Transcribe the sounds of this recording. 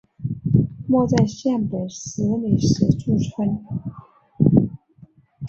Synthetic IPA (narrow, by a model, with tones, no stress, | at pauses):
mwɔ˥˧t͡sa˥˧ɪɕjɛ˥˩npe˨˩ɪsɹ̩˧˥li˨˩ʂɻ̩˧˥ʈ͡ʂu˥˩ʈ͡ʂʰwə˥n